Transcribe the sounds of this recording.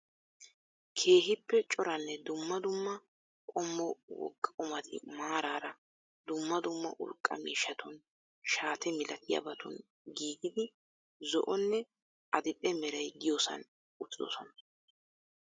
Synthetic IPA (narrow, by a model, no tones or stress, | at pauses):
kʰe̞ːɦɪpːɛt͡ʃʼɔɾɐnːɛd̪ʊmːɐd̪ʊmːɐ | kʼɔmːɔwɔ̰kːɐʊmɐt̪ʰɪ̰maːɾaːɾɐ | d̪ʊmːɐd̪ʊmːɐ̰ʔʊ̰lkʼːɐ̰mḭːʃːɐt̪ʰʊn | ʃaːt̪ʰɛmɪlɐt̪ʰɪjɐ̰bɐt̪ʰʊ̰n | ɡiːɡ̪ɪd̪ɪ | zɔ̰ʔɔnːɛ | ɐd̪ɪpʼːɛmɛɾɐjɡɪjoːsɐ̰n | ʊt̪ːɪd̪ɔ̰sɔnɐ